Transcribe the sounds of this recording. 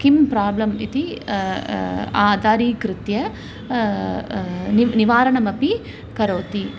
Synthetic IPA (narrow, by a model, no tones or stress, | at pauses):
kimpɾaːblɐmit̪i | aːd̪aːɾiːkɾɪt̪jɐ | nnɪʋaːɾɐɳɐmɐpi | kɐɾoːt̪i